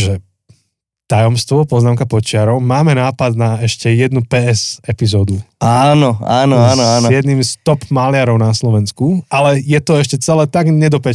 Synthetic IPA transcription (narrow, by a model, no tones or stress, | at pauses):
ʒɛ | t̪ajɔmst̪ʋɔpɔznaːmkapɔt͡ʃɪaɾɔʊmaːmɛnaːpad̪naɛʃcɛjɛd̪nupɛːɛzɛpizɔːd̪uaːnɔaːnɔanɔaːnɔjɛd̪nimst̪ɔpmalɪaɾɔʊnaslɔʋɛnskuʔalɛjɛt̪ɔɛʃcɛt͡sɛlɛːt̪aɡɲɛd̪ɔpɛ